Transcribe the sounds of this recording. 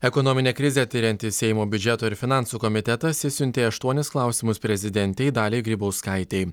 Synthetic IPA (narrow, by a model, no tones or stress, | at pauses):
ɛkɔnɔmʲɪnʲeːkɾʲɪzʲɛt̪ʲɪɾʲɛnʲt̪ʲɪsʲɛɪmoːbʲʊd͡ʒʲɛt̪oːɪɾfʲɪnɑˑnsuːkɔmʲɪt̪ʲɛt̪ɐsʲɪsʲʊnʲt̪ʲeːɐʃt̪uɔnʲɪsklˠɑˑʊsʲimʊspʲɾʲɛzʲɪd̪ʲɛnʲt̪ʲɛɪd̪ɑːlʲeɪɡʲɾʲiːboʊskɐɪt̪ʲɛɪ